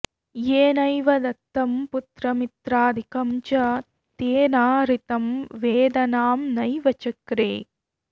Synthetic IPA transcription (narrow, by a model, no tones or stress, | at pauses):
jeːnɐjʋɐd̪ɐt̪ːɐmput̪ɾɐmit̪ɾaːd̪ʱikɐmt͡ʃɐ | t̪eːnaːɾit̪ɐmʋeːd̪ɐnaːmnɐjʋɐt͡ʃɐkɾḛː